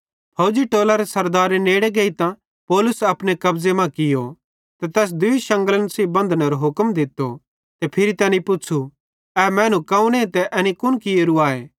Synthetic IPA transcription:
pʰɐʊd͡ʒiʈoːlaɾesɐɾd̪aːɾeneːɽeɡeːit̪ã | poːlʊsɐpnekɐbzemãkɪjo | t̪ɛt̪ɛːs̬d̪ʊiʃɐ̃ŋɡələnsiːbɐ̃nd̪ʱneɾoɦʊkmd̪ɪt̪ːo | t̪ɛpʰɪɾit̪ɛːnĩpʊːt͡ʃʰu | ɛːmɛ̃ːnũkɐũnẽt̪ɛʔɐnikʊnkɪeɾuaːeː

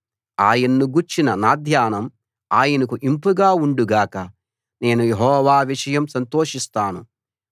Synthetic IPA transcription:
aːjɐnːuɡuɾt͡ʃinɐnaːd̪ʱjaːnɐm | aːjɐnɐkuʔimpuɡaːuɳɖuɡaːkɐ | ne̞ːnujeɦɔːʋaːʋiʂɐjɐmsɐnt̪oːʂist̪aːnu

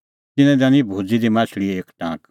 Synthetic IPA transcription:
t̪ɪnɛ̃d̪ãːnibʱuːd͡zid̪imãːsʰɽieːkʈã̰ːk

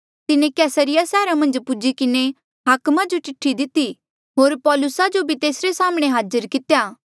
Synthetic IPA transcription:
t̪ɪnẽkɛːsəɾɪjasɛːɾamɐ̃nd͡ʒpʊd͡ʒikɪne | ɦaːkmad͡ʒot͡ʃɪʈʰːid̪ɪt̪i | ɦoːɾpɔːlʊsad͡ʒobʱit̪eːsɾesaːmɽ̃eɦaːd͡ʒəɾkɪt̪ejaː

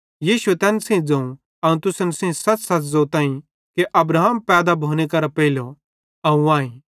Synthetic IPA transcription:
jiːʃuet̪ɛːnsɛ̃ĩd͡zɐ̃ũ | ɐũt̪ʊsnsɛ̃ĩsɐt͡ssɐt͡szot̪ãːĩ | keʔɐbɾaːmpɛːd̪abʱoːñekɐɾapɛɪlo | ɐũãːĩ

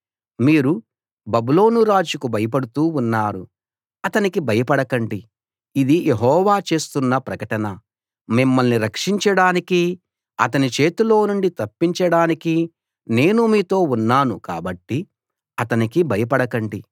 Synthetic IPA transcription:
miːɾu | bɐbulo̞ːnuɾaːd͡ʒukubɐjɐp̬ɐɽut̪uːunːaːɾu | ɐt̪ɐnikibʱɐjɐpɐɽɐkɐɳɖiː | d̪ijʔe̞ɦɔːʋaːt͡ʃe̞ːst̪unːɐpɾɐkɐʈɐnɐ | mimːɐlniɾɐkʂiɲt͡ʃɐɽaːniki | ɐ̰t̪ɐnit͡ʃe̞ːt̪ulo̞ːnuɳɖit̪ɐpːiɲt͡ʃɐɽaːniki | ne̞ːnumiːt̪o̞ːunːaːnuka̰ːbɐʈːi | ɐt̪ɐnikibʱɐjɐpɐɽɐkɐɳɖi

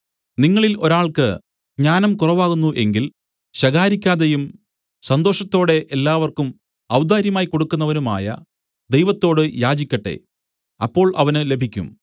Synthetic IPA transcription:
niŋːɐɭilo̞ɾaːɭkɨ | ɡɲaːnɐmkurɐʋaːɣunːuʔe̞ŋɡil | ɕɐɣaːɾikʲːaːðejum | sɐnd̪o̞ːʂɐt̪ːo̞ːɽe̞ʔelːaːʋɐrkum | ɐwd̪aːɾjɐmaːjko̞ɽukːunːɐʋɐnuma̰ːjɐ̰ | d̪e̞jʋɐt̪ːo̞ːɽɨjaːd͡ʑikʲːɐʈːe̞̰ | ɐpːo̞ːɭʔɐʋɐnɨle̞bʱikʲːṵm

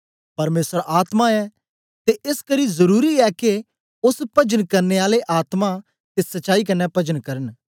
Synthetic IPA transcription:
pɐɾmeːsəɾaːt̪mãɛ | t̪eʔɪskɐɾizɐɾuːɾiɛke | ʊspɐd͡ʒənkɐɾneaːleʔaːt̪mã | t̪esɐːaːikɐnːɛpɐd͡ʒənkɐɾən

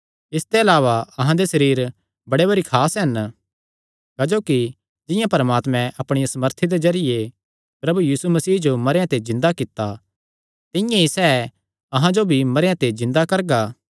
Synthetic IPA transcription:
ɪst̪eɐlaːʋaɐɦãd̪esɐɾiːɾ | bɐɽebɐɾikʰaːsɦɐn | kaːd͡ʒoːki | d͡ʒɪ̃jãpɐɾmaːt̪mɛ̃ʔɐpɽ̃ɪjãsɐməɾt̪ʰid̪ezɐɾɪje | pɾɐbujiːsumɐsiːd͡ʒomɐɾjãt̪ezɪ̃nd̪akɪt̪ːa | t̪ɪ̃jãisɛː | ɐɦãd͡ʒobʱimɐɾjãt̪ezɪ̃nd̪akɐɾɡaː

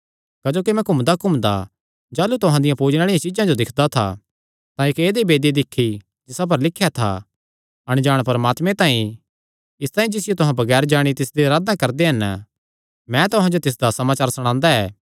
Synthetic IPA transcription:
kɐd͡ʒoːkimɛ̃kʊmd̪akʊmd̪a̰ | d͡ʒaːlut̪ʊɦãd̪ɪjãpuːd͡ʒnaːɽijãt͡ʃɪzãd͡ʒod̪ɪkʰd̪at̪ʰa̰ | t̪ãɪkeːd̪ebeːd̪id̪ɪkʰːi | d͡ʒɪsap̬ɐɾlɪkʰːjat̪ʰa̰ | ɐɽ̃d͡ʒaːɽ̃pɐɾəmaːt̪mẽt̪ãːĩ | ɪst̪aːĩd͡ʒɪsɪjot̪ʊɦãbɐɡɛːɾd͡ʒaːɽ̃it̪ɪsd̪eɾaːd̪ãkɐɾd̪eɦɐn | mɛ̃t̪ʊɦãd͡ʒot̪ɪs̬d̪asɐmaːt͡ʃaːɾsɐɽ̃ãːnd̪aɛː

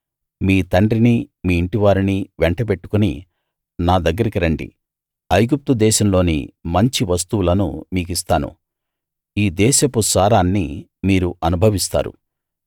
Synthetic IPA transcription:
miːt̪ɐɳɖɾinimiːɳʈiʋaːɾiniʋɛɳʈɐp̬e̞ʈːu̥kunḭ | naːd̪ɐɡːɐɾikiɾɐɳɖḭ | ɐjɡup̚t̪ud̪ɛːʃɐmlo̞ːnḭmɐɲt͡ʃiʋɐst̪uwulɐnṵmiːk̬ist̪aːnṵ | iːd̪ɛːʃɐpusaːɾaːnːi | miːɾuʔɐnubʱɐʋist̪a̰ːɾṵ

